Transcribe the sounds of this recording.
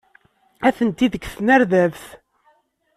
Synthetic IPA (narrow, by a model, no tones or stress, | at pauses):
æθənt̪iðəɡθənæɾðævθ